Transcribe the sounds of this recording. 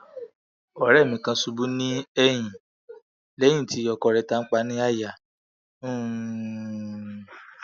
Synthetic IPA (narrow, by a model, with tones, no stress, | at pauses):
ɔ˨ɾɛ˦˨mĩ˨kã˧su˧bu˦nĩ˦ɛ˧j̃ĩ˨ | lɛ˨˦j̃ĩ˦˨ti˨˦ɔ˧kɔ˧˨ɾɛ˧ta˧˦n̩˦k͡pa˧˦nĩ˦a˦˨ja˨˦˨